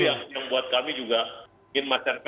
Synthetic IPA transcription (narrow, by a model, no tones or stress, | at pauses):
iaksjaŋbuat̪̚kamid͡ʒuɡa | ŋɪnmat͡ʃanp